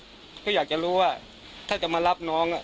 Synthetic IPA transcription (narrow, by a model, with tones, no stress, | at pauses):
kʰɔ˥˩jaː˨˩k̚t͡ɕa˨ɾuː˦˥wa˥˩ | t̪ʰaː˥˩t͡ɕa˨˩maː˧la˦˥˩p̚nɔː˦˥ŋʔa˨˩